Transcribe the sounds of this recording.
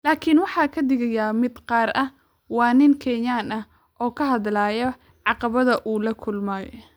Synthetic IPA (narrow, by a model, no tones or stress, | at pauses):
laːkʰɪnwɑħɑːkʰɐd̪ɪɣɐjaːmɪd̪qɑːɾʔɐh | wɑːnɪŋkʰɛːɲaːnɐh | ʔɔːkʰɐɦɐðlaːjɔ | ʕɑqɑβɐðɐʔuːlɐkʰʊlmɐ